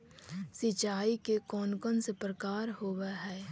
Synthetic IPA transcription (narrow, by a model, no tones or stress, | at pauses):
sɪt͡ʃaːikekɔːnkɔnsepɾəkaːɾhoːwaɦɛː